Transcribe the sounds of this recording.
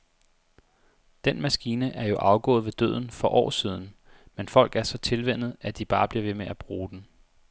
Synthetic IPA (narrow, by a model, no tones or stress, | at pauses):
d̥enmæsɡ̥iːnəʔæɐjo̝ʔɑ̈ʊɡ̥ɔ̰̽ːð̩ˠʋe̝d̥ø̰ð̞̰ˠn̩fɒ̽ʔɒ̰ːsiːð̞ˠn̩menfɒ̽l̰ɡ̥æɐsɒ̽t͡sʰe̝lʋen̰ð̞̩ˠæd̥ib̥ɑ̈ːb̥liɐʋe̝meʔæb̥ʁuːd̥en̩